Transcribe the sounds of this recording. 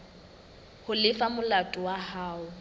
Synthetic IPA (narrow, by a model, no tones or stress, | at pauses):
hʊlɪfamʊlatʼʊwahaːʊ